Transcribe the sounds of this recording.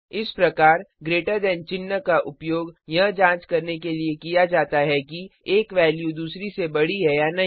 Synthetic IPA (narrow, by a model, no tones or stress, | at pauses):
ɪspɾɐkaːɾɡɾeːʈəɾd̪ɛ̃ːnt͡ʃɪnːəkaʔʊpjoːɡjɐɦd͡ʒãːt͡ʃkɐɾnekeliekijad͡ʒaːt̪aɦɛkieːkʋɛːljud̪uːsɾisebɐɽiɦɛjanɐɦ